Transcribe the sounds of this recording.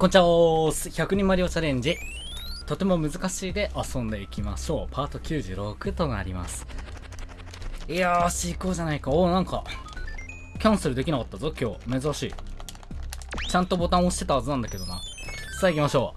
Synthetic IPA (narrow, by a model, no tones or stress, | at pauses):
kõɲ̟t͡ɕiaoːsçakɯ̟ɲ̟ĩmːaɾʲiot͡ɕaɾẽ̞ɲ̟d͡ʑi | t̪o̞t̪e̞mo̞mɯ̟zɨkaɕiːd̪e̞ʔasõ̞nd̪e̞ikʲimaɕo̞ːpʰaːt̪o̞kʲɨːʑɨ̰ːɾo̞kɯ̟t̪o̞na̰ɾʲima̰sɨ̥ | iaɕiːko̞ːʑanaikaoːnãŋka | kʲãɰ̃seɾɯ̟d̪e̞kʲinakat̪ːazokʲo̞ːme̞zɨɾaɕḭː | t͡ɕãnt̪o̞bo̞t̪ãɰ̃oɕi̥t̪e̞t̪ahazɨnãnd̪ake̞d̪o̞nḁsaːikʲimaɕo̞ː